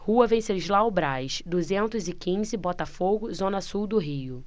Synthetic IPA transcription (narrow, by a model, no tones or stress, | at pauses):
huɐvẽseʒlaʊbɾajʃd̪uzẽnt̪ʊzɪkĩzɪbɔt̪ɐfoɡʊzõnɐsuwd̪ʊɦijʊ